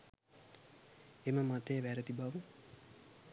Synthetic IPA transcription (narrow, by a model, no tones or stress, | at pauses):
eməmat̪ejːʋæɾət̪ibaʋu